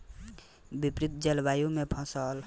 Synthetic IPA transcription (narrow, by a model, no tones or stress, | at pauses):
bipɾit̪̚d͡ʒelbajũmepʰʌ̃səl